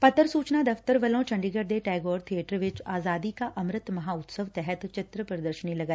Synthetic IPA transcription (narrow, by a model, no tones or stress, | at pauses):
pɐt̪ːəɾsuːt͡ʃnad̪ɐft̪əɾʋɐlõt͡ʃʰɐ̃ɳɖiɡəɾd̪eʈɛːɡoːɾt̪ʰieːʈəɾʋɪt͡ʃaːzaːd̪ikaʔɐmɾɪt̪mɐɦaːʊt̪səʋt̪ɛɦɛt̪t͡ʃɪt̪ɾəpɾɐd̪əɾʃənilɐɡaː